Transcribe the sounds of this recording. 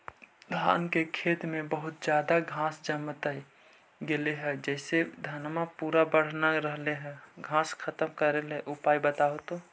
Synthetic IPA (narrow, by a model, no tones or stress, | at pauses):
d̪ʱa̰ːnkekʰeːt̪mẽbəɦʊt̪d͡ʒjaːd̪aɡʱãːsd͡ʒəmət̪əi | ɡeleɦɛ̃d͡ʒɛːsed̪ʱənmapuɾabəɽ̤naɾəɦleɦɛ̃ːɡʱãːskʰət̪əmkəɾelɛʔʊpaːibət̪aot̪o